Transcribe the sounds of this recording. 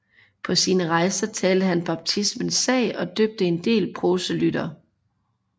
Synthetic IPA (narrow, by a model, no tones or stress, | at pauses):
pʰɒ̽siːnəʁɑ̈ɪsɐt͡sʰɛːld̥əɦænb̥ɑ̈b̥̚t͡sʰismənsːɛ̰ːɪɒ̽d̥øb̥̚d̥əe̝nd̥e̝̰ːlpʰʁo̝səlyd̥ɐ